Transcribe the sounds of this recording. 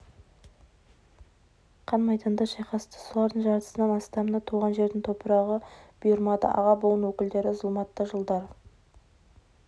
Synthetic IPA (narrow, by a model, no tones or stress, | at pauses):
qʰɑnmɑjd̪ɑnd̪ɑʃɑjqɑst̪ə̥solˠɑɾd̪əɴʒɑɾt̪ə̥sənɑmɑst̪ɑmənɑt̪ʰuʁɑnʒe̞ɾd̪ɪŋt̪ʰo̞pəɾɑʁəb̥ʊjəɾmɑd̪ə̰ʔɑ̰ʁɑbolˠənwɵkʲɪld̪e̞ɾɪzəlˠmɑt̪ːɑʒəlˠd̪ɑɾ